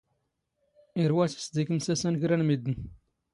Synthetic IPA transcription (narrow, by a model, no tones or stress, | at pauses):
iɾwæsə̥sd̪ikəmsæsænɡɾænmid̪ən